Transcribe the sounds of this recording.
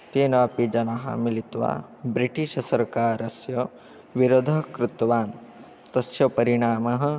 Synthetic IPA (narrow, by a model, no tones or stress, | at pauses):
t̪eːnɐpid͡ʒɐnɐɦa̰milit̪ʋa̰ːbɾiʈiʃɐsɐɾkaːɾɐsjɐ | ʋiɾod̪ʱɐkɾut̪ʋaːn | t̪ɐsjɐpɐɾiɳaːmɐɦɐ̆